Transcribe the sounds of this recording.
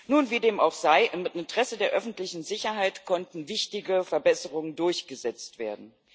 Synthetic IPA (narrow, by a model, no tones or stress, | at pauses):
nuːnviːdeːma̰ʊxz̥aɪʔɪmɪntʁ̥ɛsədeːɐʔœfn̩tlɪçn̩zɪçɐɦaɪtkʰɔntn̩vɪçtɪɡəfɛɐbɛsəʁʊŋəndʊɐçɡ̥əzɛt͡stv̥eːɐdn̩